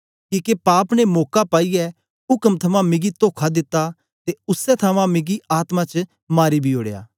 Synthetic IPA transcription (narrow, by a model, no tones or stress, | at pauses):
kiːkepaːpnemoːkapaːiɛ | ɦʊkəmt̪ʰɐmãmɪɡit̪oːkʰad̪ɪt̪ːa | t̪eʊsːɛt̪ʰɐʋãmɪɡiʔaːt̪mãt͡ʃ | maːɾibʱioːɽeja̰ː